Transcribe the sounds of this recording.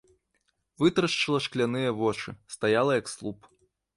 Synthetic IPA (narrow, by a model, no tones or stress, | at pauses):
vɨt̪ɾɐʂt͡ʂɨlˠɐʂklʲanɨjɐvɔt͡ʂɨst̪ajalˠɐjɐkslˠup